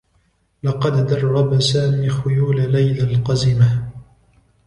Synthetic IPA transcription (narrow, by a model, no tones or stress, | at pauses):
lɑqɑd̪d̪ɑrˤːɑbasaːmiːxʊjuːlalajlalqɑzɪma